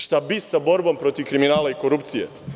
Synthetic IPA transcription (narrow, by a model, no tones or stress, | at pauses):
ʃt̪abisabo̞ɾbo̞mpɾo̞t̪iʋkɾiminaːlaiko̞ɾupt̪sijḛ